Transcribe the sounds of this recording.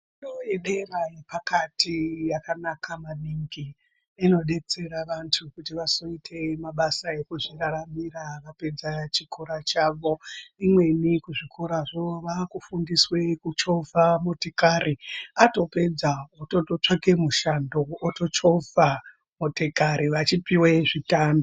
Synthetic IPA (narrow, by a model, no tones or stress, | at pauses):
noeɗerajepakatijakanakʰamaniŋɡiː | no̞ɗe̞t͡se̞ɾaʋantʰukutiʋaso̞itʰe̞maɓasaekuʐiraɾamiraʋape̞d͡zat͡ʃikʰoɾat͡ʃaːʋo̞imwe̞nikuʐikʰoɾaʐoʋakufundiswe̞kut͡ʃo̞vʱamotekaɾiato̞pe̞d͡zaototot͡ʂakemuʃando̞ːtot͡ʃo̞vʱa | motekaɾiʋat͡ʃipiweʐitambo